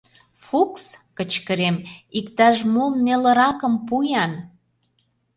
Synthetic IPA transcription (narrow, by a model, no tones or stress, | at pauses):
fukskə̆t͡ɕkəɾemik̚t̪ɑʃmomnelə̆ɾɑkə̆mpujɑn